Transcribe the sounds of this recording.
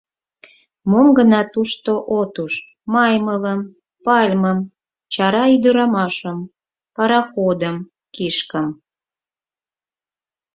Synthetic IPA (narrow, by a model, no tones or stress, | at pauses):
momɡənɑt̪uʃt̪oʔot̪uʃ | mɑjmələm | pɑlʲməm | t͡ɕɑɾɑyd̪əɾɑmɑʃəm | pɑɾɑxod̪əm | kiʃkəm